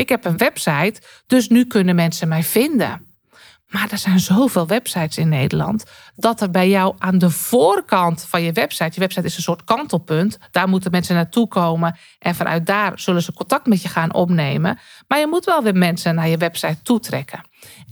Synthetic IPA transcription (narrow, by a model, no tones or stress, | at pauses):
ʔɪkhɛpənʋɛpsɛjt | d̥øsnykønəmɛnsənmɛjvɪndə̰ | madɛrz̥ɛjnzoːveɪːlˠʋɛpsɛjtsɪnːeːdəlɑ̰nt | dɔtərbɛjjɔwʔaːndəv̥oːrkʰɑntfɔnjəʋɛpsɛjtjəʋɛpsɛjtɪsənsoːrtkɔntəlˠpøntd̥aːrmutəmɛnsənatʰukʰoːmə | ʔɛnfɔnʔœ̰ɥt̚daːrz̥ølənzəkontɑk̚tmɛtjəxaːnʔo̰pneːməmaɹjəmutʋɛlˠʋɪmɛnsənːajəʋɛpsɛjtʰːutʰrɛ̰kʰə